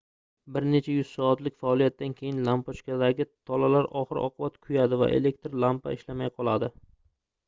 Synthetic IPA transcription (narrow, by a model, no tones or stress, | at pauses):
bɪɾne̞t͡ʃʰajʊz̥sɒːt̪lɪkʲfaɒlˠijat̪̚ːankʲʰe̞jɪnlampɒt͡ʃkʲad̪aɡʲɪt̪ʰɒlalaɾɒχɨɾɒ̰qʰʊbat̪kʰʊjad̪ɪva̰ʔḛle̞k̚ʲt̪ɾlampa̰ɪʃlamajqʰɒlˠad̪ɪ